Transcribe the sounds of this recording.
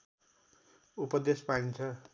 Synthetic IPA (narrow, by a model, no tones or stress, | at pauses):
upʌd̪espaɽint͡sʰʌ